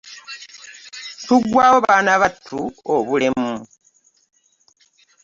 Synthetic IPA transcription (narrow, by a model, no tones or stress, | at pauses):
tuɡwaːwoβaːnaβatʰuoβule̞mu